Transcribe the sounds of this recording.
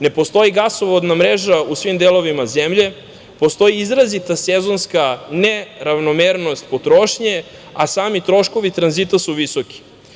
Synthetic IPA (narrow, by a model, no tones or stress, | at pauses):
ne̞po̞st̪o̞iɡasoʋod̪namɾeʒausʋimd̪elo̞ʋimazemʎe̞ | po̞st̪o̞jiizɾazit̪asezo̞nskaneɾaʋnomeːɾno̞st̪pot̪ɾoʃɲe̞ | asaːmit̪ɾo̞ʃko̞ʋit̪ɾanzit̪asuʋisoki̥